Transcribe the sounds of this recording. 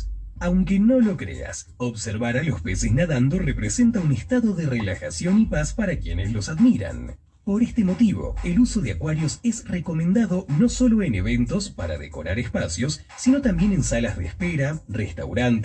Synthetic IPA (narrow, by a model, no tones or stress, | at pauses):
awŋkeno̞lo̞kɾḛa̰s | oβseɾβaɾalo̞speseznaðand̪orepɾese̞nt̪aunest̪aðo̞ðerelaxasjo̞nipaspaɾakje̞neslo̞saðmiɾa̰n | po̞ɾest̪emo̞t̪iβo̞̰eluso̞ðeakwaɾjo̞sezreko̞mẽnd̪aðo̞no̞so̞lo̞enḛβe̞nt̪o̞spa̰ɾa̰ðḛko̞̰ɾaɾespasjo̞sːino̞t̪ambje̞ne̞nsalazðḛːspeɾarest̪a̰wɾant̪